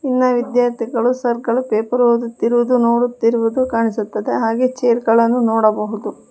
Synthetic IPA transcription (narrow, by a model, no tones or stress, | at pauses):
inːɐʋid̪jaːɾt̪ʰiɡɐɭusɐɾɡɐɭupeːpɐɾoːd̪ut̪ːiɾuʋud̪unoːɽut̪ːiɾuʋud̪ukaːɳisut̪ːɐd̪eɦaːɡet͡ʃeːɾɡɐɭɐnːunoːɽɐbɐɦud̪u